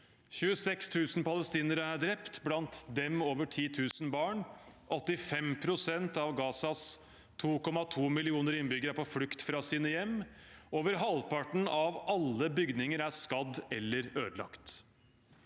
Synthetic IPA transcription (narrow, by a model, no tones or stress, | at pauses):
çʉːəsɛkst̪ʰʉːsn̩pɑləst̪iːnəɾəæɖɾɛpt̪blɑnt̪d̪ɛmoːʋəʈʰiːt̪ʰʉːsn̩bɑːɳʔɔt̪ːɪfɛmpʰɾʊsɛnt̪ɑʋɡɑːsɑs | t̪ʰuːkɔmɑt̪ʰuːmɪlɪuːnəɾɪnbʏɡəɾæɾpɔflʉkt̪fɾɑsiːnəjɛmː | oːʋəɾɦɑlpʰɑʈn̩ɑʋɑlːəbʏɡd̪nɪŋəɾæskɑd̪ɛlːəɾøːd̪lɑ̰kt̪